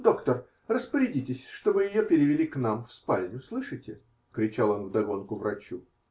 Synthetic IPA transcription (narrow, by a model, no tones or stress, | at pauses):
d̪o̞kt̪ər | rəspəɾʲɪdʲitʲɪsʲʂt̪o̞bɨjɪjopʲɪɾʲɪvʲɪlʲiknamfspalʲnʲʊslˠɨʂɨjtʲɪ | kɾʲɪt͡ɕalˠo̞nvd̪ɐɡo̞nkʊvɾɐt͡ɕu